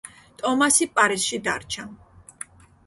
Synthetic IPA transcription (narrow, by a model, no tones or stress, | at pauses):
t̪ʼɔmasipʼaɾisʃid̪a̰ɾt͡ʃʰa